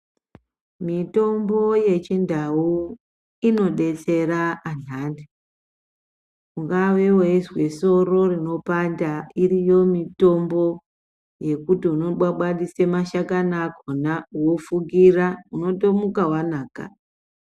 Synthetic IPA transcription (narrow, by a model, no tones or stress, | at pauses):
mito̞mbo̞je̞t͡ʃindau | ino̞ɗe̞t͡se̞ɾaːnande | uŋɡaʋe̞weizwe̞so̞ro̞rino̞pandairijo̞mito̞mbo̞ | je̞kutiuno̞ɓwaɓaɗisemaʃakanaɡʱonawofuɡirauno̞tomukawanaːka̰